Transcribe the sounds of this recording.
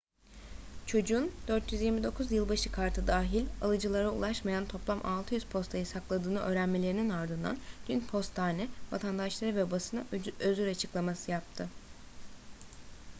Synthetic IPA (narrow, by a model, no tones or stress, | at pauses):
t͡ʃʰo̞d͡ʒuːnd̪øɾt̪ʰjyzjiɾmid̪o̞kʰuzjɯlˠbaʃɯkʰaɾt̪ʰɯd̪aːɦilʲalˠɯd͡ʒɯlˠaɾaṵlˠaʃmajant̪ʰo̞plˠamʔalˠt̪ʰɯjyz̥pʰo̞st̪ʰajɯsaklˠad̪ɯːnɯʔø̞ːɾænmelʲe̞ɾininaɾd̪ɯnd̪a̰nd̪̥ynpʰo̞st̪ʰːaːnɛva̰t̪ʰand̪aʃlˠaɾɯvɛbasɯnaøzyɾat͡ʃʰɯklˠamasɯjap̚t̪ʰɯ